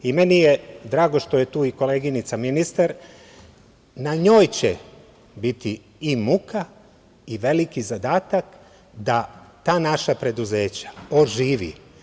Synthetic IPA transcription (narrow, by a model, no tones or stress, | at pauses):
ime̞nijed̪ɾaːɡo̞ʃt̪o̞jet̪uːiko̞leːɡinit̪saminist̪aɾ | naɲo̞ːjt͡ɕe | bit̪i | imuka | iʋe̞likizad̪aːt̪ak | d̪at̪aːnaʃapɾe̞d̪uze̞ːt͡ɕḁoʒiːʋḭ